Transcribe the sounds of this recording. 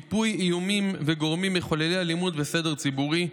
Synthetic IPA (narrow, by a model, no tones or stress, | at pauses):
ipujijumimveɡo̞ʁmimːiχo̞lelealimud̪bese̞de̞ʁt͡sibuʁi